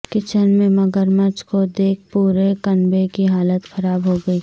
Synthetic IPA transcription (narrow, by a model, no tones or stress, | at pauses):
kɪt͡ʃənmẽmɐɡəɾmət͡ʃkod̪eːk̚ʰpuːɾekɐnbekiɦaːlət̪xɐɾaːbɦoɡɐiː